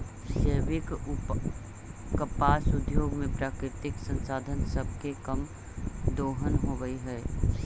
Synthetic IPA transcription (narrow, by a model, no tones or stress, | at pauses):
ʃəʋɪk | kəpaːsʊd̪joːɡmẽpɾaːkɾɪt̪ɪksə̃nsaːd̪ʱənsəb̚ʱkekəm | d̪oːɦənɦoɡəiɦɛː